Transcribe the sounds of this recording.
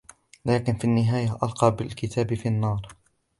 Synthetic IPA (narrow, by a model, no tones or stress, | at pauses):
laːkɪnfiːnːɪɦaːjaʔɑlqɑːbɪlkɪt̪ʰaːbɪfiːɑnːɑːɾˤ